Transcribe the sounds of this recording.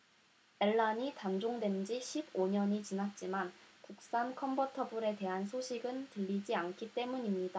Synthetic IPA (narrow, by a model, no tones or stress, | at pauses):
e̞ɭːaɲitand͡ʑoŋdwe̞nd͡ʑiɕʰiboɲʌɲit͡ɕinat̚t͡ɕ͈imankuk̚s͈ankʰʌmbutʰʌbuɾe̞te̞ɦansʰoɕʰiɡɯntɯʎːid͡ʑiank͈ʰit͈e̞muɲimɲida